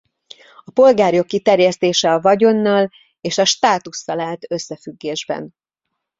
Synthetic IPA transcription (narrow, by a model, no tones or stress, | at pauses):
ɒpo̞lɡaːɾjo̞kːit̪ɛrjɛst̪eːʃɛɒvɒɟo̞nːɒl | eːʃɒʃt̪aːt̪usːɒlaːlt̪øsːɛfyɡːeːʒbɛ̰n